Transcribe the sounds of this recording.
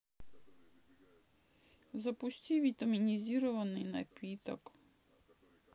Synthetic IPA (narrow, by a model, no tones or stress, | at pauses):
zɐpusʲtʲiʋʲit̪ɐmʲinʲizʲiɾɔʋɐnɪjnɐpʲit̪ɔ̰k